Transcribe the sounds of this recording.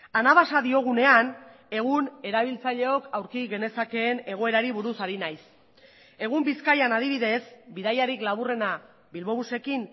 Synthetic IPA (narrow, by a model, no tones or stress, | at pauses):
anaβasaðio̞ɣ̞une̞an | e̞ɣ̞une̞ɾaβ̞ilt͡saʎe̞o̞kawɾkiɣe̞ne̞sake̞ːne̞ɣ̞o̞e̞ɾaɾiβuɾusaɾinajs | e̞ɣ̞umbiskajanað̞iβiðe̞sbiðajaɾiklaβure̞na | bilβo̞βuse̞kin